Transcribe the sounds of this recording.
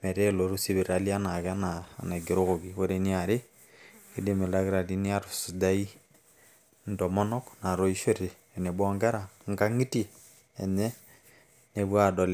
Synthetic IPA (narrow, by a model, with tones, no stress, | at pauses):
mɛ˨ɾe˦lo˨ɾu˦si˦βi˨ɾa˨li˦a˦na˨ka˦na˨na˨ɡi˨ɾo˦ɣo˨ɡi˨wo˦ɾe˨ni˦a˨ɾe˦ | ki˦de˨me˨la˦ɡɾa˨di˦ni˦a˦ɾsu˨da˦i˦ | n̩˨dɔ˨mɔ˦nɔ˦kna˨ɾo˦i˦ʃo˦ɾiː˨ne˨bwɔ˦ŋɡa˦ɾa˨ŋ˦ɡa˦ŋi˦ti˦ | e˨nɛ˦ | ne˨bwa˦dɔ˨lɛ˨